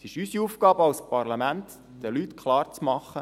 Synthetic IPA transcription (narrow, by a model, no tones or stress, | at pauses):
sɪʃysiufkɑːbəɑwspɑɾlɑmænt̪ | d̥əlyt̪kʰχlɑːɾt͡smɑχːə